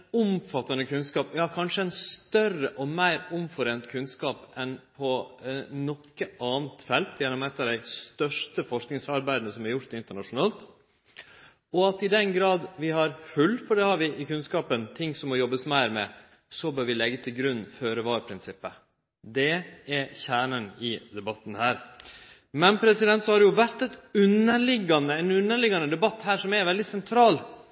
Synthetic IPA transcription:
ʊmfɑt̪ːɑnəkʰʉnskɑːpjɑkʰɑnʂəɛnst̪œrəʔɔmæɪɾʊmfɔɾeːnt̪kʰʉnskɑːpɛnpʰɔ | nɔkːəʔɑːnt̪fɛlt̪jɛnːɔmɛt̪ːɑɾd̪æɪst̪œʂʈəfɔʂknɪŋsɑɾbæɪd̪ənəsɔmæɾjʊɾt̪ɪnt̪əɳɑʂʊnɑːlt̪ | ɔɑt̪ɪd̪ɛnɡɾɑːd̪ʋɪhɑɾhʉlːfɔɖɛhɑɾʋɪʔɪkʉnskɑːpənt̪ʰɪŋːsɔmːɔjɔbːəsmæɪɾmɛ̰ | sɔbøːɾʋɪlɛɡːət̪ʰɪlɡɾʉnːføːɾəʋɑːɾpʰɾɪnsɪpːə | d̪ɛɛçæːɳənɪd̪ɛbɑt̪ːn̩hæːɾ | mɛnpʰɾɛsɪd̪ɛnt̪sɔhɑɾɖɛjʊʋæɾt̪ɛt̪ʉnːəɭɪɡːɑnəɛnʉnːəɭɪɡɑnəd̪ɛbɑt̪ːhæːɾʂɔmɛɾʋɛld̪ɪsɛnt̪ʰɾɑːl

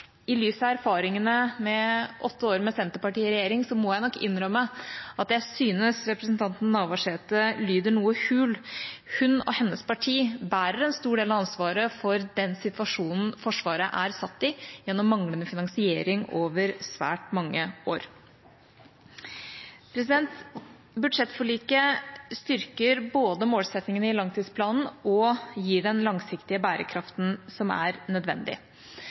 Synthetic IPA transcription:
ɪlyːsɑæɾfɑːɾɪŋənəmɛʔɔt̪ːəoːɾmɛsɛnt̪əpɑʈiːɪɾɛjeːɾɪŋsɔmɔjæɪnɔkːɪnːɾœmːəɑt̪̚jæɪsyːnəsɾɛpɾəsnt̪ʰɑnt̪nnɑːʋʋɑʂeːt̪əlyːd̪əɳuːəhʉːlhʉnɔ̰hɛnːəspʰɑʈʰiːbæːɾəɾɛnst̪uːɖeːlɑɑnsʋɑːɾəfɔɾd̪ɛnsɪt̪ʋɑʂuːnn̩fɔʂʋɑːɾəʔæɾsɑt̪ːɪjɛnːɔmːɑŋlənəfɪnɑŋsɪeːɾɪŋoːʋəɾsʋæ̰ːʈmɑŋːəoːɾ | pʰɾɛs̬ɪd̪ɛnt̪ | bʉʂɛt̪ːfɔɭiːkəst̪ʏɾkəɾboːd̪əmoːlsɛt̪nɪŋənəɪlɑŋt̪ʰiːd̪spʰlɑːnn̩ɔjiːɖɛnlɑŋsɪkt̪ɪəbæːɾʔə̰kʰɾɑft̪n̩sɔmæ̰ɾnœd̪ʋɛ̰nd̪ɪ̰

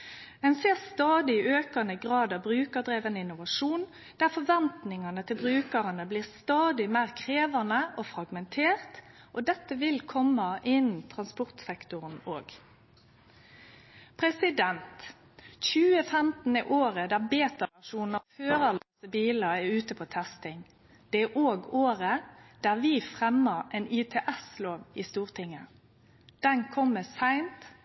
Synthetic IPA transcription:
ɛnseːʁst̪ɑːd̪ɪɪøːkɑnəɡʁɑːd̪ɑbɾʉːkəd̪ɾeːʋənəɪnʊʋɑʂuːn | d̪æʁfɔʋɛnt̪nɪŋɑnət̪ʰɪlbʁʉːkəʁənəbliːʁst̪ɑːd̪ɪmæɪʁkʰʁeːʋɑnəʔɔfɾɑɡmɛnt̪ʰeːʁt̪ | ʔɔd̪ɛt̪ːəʋɪlkʰɔmːɑʔɪnn̩t̪ʰʁɑnspɔʁt̪sɛkt̪ʊʁənoːɡ | pʰʁɛsɪd̪ɛnt̪ | çʉːəfɛmt̪n̩ɛʔoːʁəd̪æʁbeːt̪ɑʋæʃuːnəføːʁəlɑsəbiːləɛʉːt̪əpʰɔt̪ʰɛst̪ɪŋ | d̪̥ɛæʔoːɡoːʁəd̪̥æʁʋiːfʁɛmːəʁɛnɪt̪ʰɛːʔɛsloːʋɪst̪uːʁt̪ʰɪŋːə | d̪̥ɛnkʰɔmːəsæɪnt̪

